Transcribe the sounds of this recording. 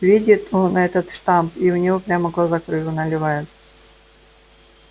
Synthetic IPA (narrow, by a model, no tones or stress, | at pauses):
vʲedʲɪt̪unɐɛt̪ət̪ʂt̪ampiʊnʲɪvopɾʲaməɡlˠazakrɨvʲʊnɐlʲɪvajʊt̪̚